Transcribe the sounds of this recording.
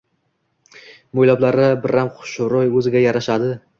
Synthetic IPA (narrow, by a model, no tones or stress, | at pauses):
mojlɒblaɾɪbɪɾamqʰʊ̥ʃɾɒjɵzɪɡʲajaɾaʃad̪ɪ